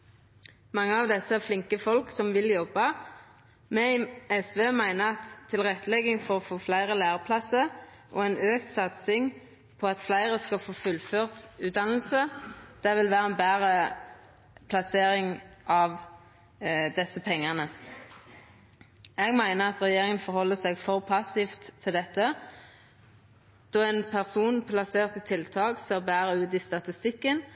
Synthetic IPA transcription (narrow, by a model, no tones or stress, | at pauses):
mɑŋːəɑʋd̪ɛsəæʁflɪŋkəfɔlksɔmʋɪljɔbɑ | mɛɛsʋeːmæɪnəʁɑt̪ʰːɪlʁɛt̪ːəlɛɡɪŋfɔʁɔfoːflæɪʁəlæːʁəpʰlɑsə | ʔo̰ːɛnøːkt̪sɑt̪sɪŋ | pʰɔɑt̪flæɪʁəskɑfoːfʉlføːʁt̪ʉːd̪ɑnl̩səd̪̥æʋɪlʋæːʁəɛnbæːʁə | pʰlɑseːʁɪŋʔɑʋ | d̪ɛsəpʰɛŋːənə | ɛɡmæɪnəʁɑt̪ʁɛjeːʁɪŋənfɔʁhɔlːəsæɡfɔʁpʰɑsɪft̪ʰːɪld̪ɛt̪ːə | d̪̥ɔɛːnpʰæʁsuːnpʰlɑseːʁt̪ɪt̪ʰɪlt̪ʰɑːkseːʁbæːʁəʉːt̪ɪst̪ɑt̪ɪst̪ɪkːən